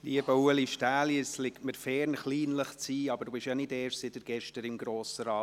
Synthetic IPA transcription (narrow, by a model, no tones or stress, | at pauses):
liəbowəliʃtaːljəslɪktməɾfɛːɾnχliːnləχt͡siːɑb̥əɾd̥ubɪʃjanɪdɛːɾʃsɪtəɾɡ̥ɛʃtəɾɪmɡɾoːsəɾɑː